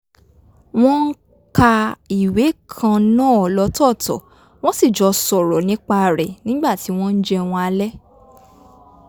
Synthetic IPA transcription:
w̃ɔ̃˦ŋ̩˦ | ka˧i˨we˨˦kʰã˧nãː˦˨lɔ˧˦tɔ˦˨tɔ̰˨ | w̃ɔ̃˦si˦˨d͡ʒɔ˧sɔ˨ɾɔ˨nĩ˨˦k͡pa˧˨ɾɛ˨nĩ˨˦ɡ͡ba˦˨ti˨˦w̃ɔ̃˦n̩˦d͡ʒɛ˦w̃ɔ̃˧a˧lɛ˦

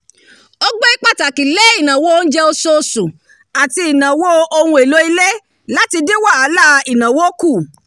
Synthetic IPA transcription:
o˦ɡ͡be˦i˦k͡pa˦˨ta˨ki˨le˦i˦˨nã˨wo˦n̩˦d͡ʒɛ˦o˧so˧su˨ | a˨ti˧i˨nã˨wo˦o˧hũ˧˦e˨lo˦i˧le˦ | la˦ti˧di˦wa˦˨a˨˦la˦˨i˨nã˨wo˦ku˦˨

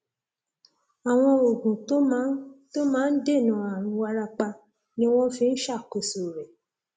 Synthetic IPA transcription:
a˨w̃ɔ̃˧o˨ɡũ˨to˦m˦to˦mãː˦n̩˦de˦˨nã˨a˨ɾ̃ũ˨˧wa˧ɾa˧k͡pa˧ | nĩ˦ɔ˦wɔ˦fe˦n̩˦ʃa˦˨ko˨so˨ɾɛ˨

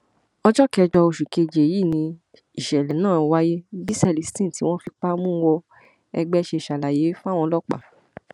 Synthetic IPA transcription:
ɔ˧d͡ʒɔ˦kɛ˧d͡ʒɔ˧o˧ʃu˨ke˨˧d͡ʒe˨ji˦˨nĩ˧ | i˨ʃɛ˨lɛ˨nãː˦˨wa˦je˦bi˦sɛ˦˧˨li˨si̥˦tĩ˦˨ti˦w̃ɔ̃˦fi˧k͡pa˦mũ˦wɔ˧ | ɛ̰˧ɡ͡bɛ˦˧ʃe˧i˨ʃa˨la˨je˨˦fu˦a˦˨w̃ɔ̃˧lɔ˦k͡pa̰˨

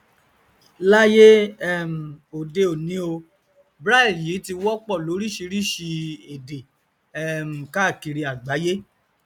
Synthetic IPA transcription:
la˦je˦ɛ˦m̩˨o˨de˧o˨nĩ˨˦o˧ | bɾa˦i˦˨lji˨˦ti˧wɔ˦k͡pɔ˦˨lo˨˦ɾi˦ʃi˧ɾi˦ʃi˧e˨de˨ | ɛ˦m̩˨ka˦˨ki˧ɾi˧a˨ɡ͡ba˨˦je˦

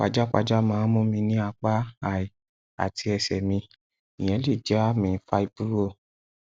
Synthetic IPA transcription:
k͡pa̰˨d͡ʒa˦k͡pa̰˧d͡ʒa˦mãː˨˦mõ˦mĩ˧nĩ˦a˧k͡pa˦a˨i˨ | a̰˨tʰi˧˦ɛ˧sɛ˨mĩ˧ | ĩ˨ɛ̃˨˧˦le˦˨d͡ʒɛ˨˦a˦mĩ˧˦fa˧i˧bu˦ɾo˦˨

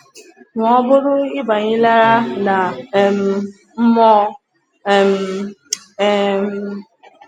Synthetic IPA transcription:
ŋʊ˨ɔ˦bʊ˦ɾʊ˦ɪ˦ba˨ɲɪ˦la˦ɾa˦na˨m̩˨ | m̩˦mɔ˦˨ | m̩˨˦ | m̩˦

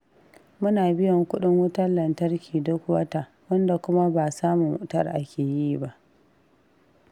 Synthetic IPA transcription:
mʊ˦naː˨bɪ˦jɔ˨ŋkʷʊ˦ɗɪ˦ŋwɐ˦tɐ˦lɐ˨ntɐ˦rkʲiː˨dʊ˦kwɐ˦ta˨ | wɐ˦nda˨kʷʊ˦ma˦baː˨saː˦mu˨mʊ˨˦ʔtɐ˦rʔa˦kʲeː˨jiː˦ba˦ʔ

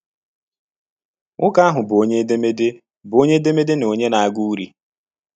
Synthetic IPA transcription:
ŋʊ˦ka˦ɦʊ˨bo˨˦ɲe˦de˦me˦de˦ | bo˦ɲe˦de˦me˦de˦no˨ɲe˦na˨a˦˨ɡu˦u˦ɾi˦

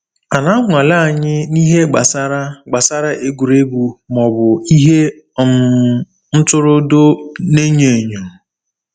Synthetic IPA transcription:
a˨na˦ŋʷ˨a˨la˦˨ɲɪ˦ni˦ɦe˦ɡ͡ba˨sa˦ɾa˦ɡ͡ba˨sa˦ɾa˦ʔe˦ɡu˨ɾe˦bu˨mɔ˨bʊ˨i˦ɦe˦˨ | m̩˨ | n̩˦tʊ˦ɾʊ˦do˦ne˦ɲe˨ɲo˨

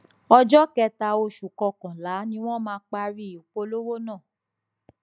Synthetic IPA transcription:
ɔ˧d͡ʒɔ˦kɛ˧ta˧o˧ʃu˨kɔ˧kã˨la˨˦nĩ˦w̃ɔ̃˦mãː˨˦k͡pa˧ɾi˦˨u˨˦k͡po˧lo˦wo˦nãː˦˨

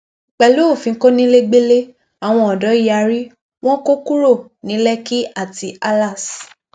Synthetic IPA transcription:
k͡pɛ˨lo˦o˦˨fĩ˧˦ko˦nĩ˦le˦ɡ͡be˦le˦ | a˨w̃ɔ̃˧ɔ˨dɔ˨˦i˦ja˧˦ɾi˦ | w̃ɔ̃˦ko˦ku˦ɾo˦˨ | nĩ˨˦lɛ˦ki˦a˦˨ti˧a˦la˦˨s

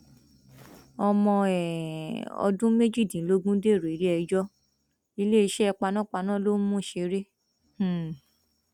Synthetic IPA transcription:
ɔ˧mɔ̃˧ɛ˨ɔ̰˧dũ˦me˦d͡ʒi˦˨dĩ˨lo˦ɡũ˦de˦˨ɾo˨i˨˦ɾi˦ɛ˧d͡ʒɔ˦ | i˧le˦i˧ʃɛ˦˧k͡pa˧nã˦˨k͡pa˧nã˦lo˦mũ˦˨ʃe˧ɾẽ˦˨

